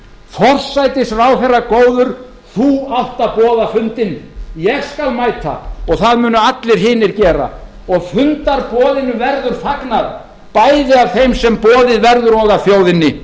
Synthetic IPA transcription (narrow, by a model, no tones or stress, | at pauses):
fɔr̥sajt̪ɪsrawθɛrːakoːwðʏɾ̥ | θuawht̪apɔːðafʏnt̪ɪnjɛɣskalmajt̪ʰa̰ɔɣθaðmʏːnʏat̪lɪɾ̥ɦɪːnɪɾcɛːɾa̰ | ɔɣfʏnt̪aɾpɔːðɪnːʏvɛɾðʏɾ̥faknað | paːjðɪav̥θejmsɛmpɔːðɪðvɛɾðʏɾɔːɣafjoːwðɪnːɪ